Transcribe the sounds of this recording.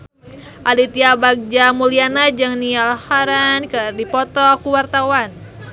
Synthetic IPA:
ʔalit̪iabak̚d͡ʒamulianad͡ʒɨŋnialhaɾankədipɔt̪ɔkuwart̪awan

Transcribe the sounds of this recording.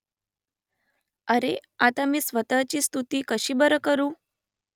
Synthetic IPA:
əɾeat̪amiːsʋət̪at͡ɕiːst̪ut̪iːkəɕiːbəɾəkəɾuː

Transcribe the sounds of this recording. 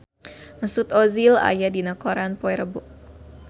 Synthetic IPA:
məsut̪ozila̰jadinəkoɾanpoɛɾəbʊʔ̚

